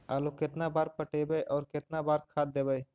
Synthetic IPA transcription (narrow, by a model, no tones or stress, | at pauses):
aːlokɪt̪nabaːɾpəʈeːbəʔɔːɾkɪt̪nabaːɾkʰaːd̪̚d̪eːbəj